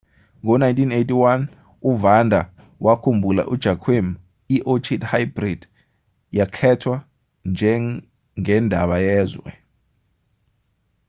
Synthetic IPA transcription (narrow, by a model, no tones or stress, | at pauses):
ŋɔnajntʼinetʼiwan | uvandʱa | wʔakʰumbʱula̰ʔud̥ʒ̥ʱakʰwem | iʔot͡ʃʰʼidhajbrid̥ | jakʰɛtʰwa | nd͡ʒʱɛ | ŋɛndʱa̰ɓajɛːzwɛ̰